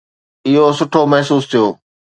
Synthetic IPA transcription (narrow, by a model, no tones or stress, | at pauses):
ɪɦosʊʈʰomɐɦsuːst̪ʰijoː